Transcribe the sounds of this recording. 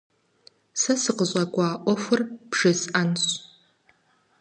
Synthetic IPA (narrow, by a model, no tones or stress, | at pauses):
sɐsɨqəɕʷʼaɡʷaːʔʷɔfʷɨrb̥ʐɨsanɕ